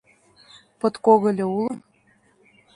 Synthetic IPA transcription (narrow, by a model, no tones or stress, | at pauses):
pɤ̆t̪koɣɤ̆lʲĕulə̆